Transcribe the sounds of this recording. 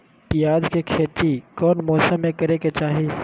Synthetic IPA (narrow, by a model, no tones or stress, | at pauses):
pɪjaːd͡ʒkekʰeːt̪ikɔːnmɔːsəmːẽkɐɾeket͡ʃaːɦi